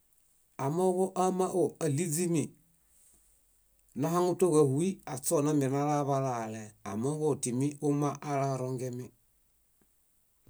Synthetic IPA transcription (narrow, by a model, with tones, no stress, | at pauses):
a˨mɔ˦ɣo˦ʔa˦ma˦ʔo˦˨ə˨li˦d͡zi˦mi˨ | nã˦ɦa˦ŋu˦to˦˨ɣə˧˨hu˨˦i˦a˨t͡sɔ˦˨na˦mi˨na˦la˦βa˧laː˨lɛ˨a˨mɔ˦ɣɔ˦˨ti˨mi˦ʔo˦mã˦ʔːla˦ɾɔ˧ŋɡɛ˦mi˦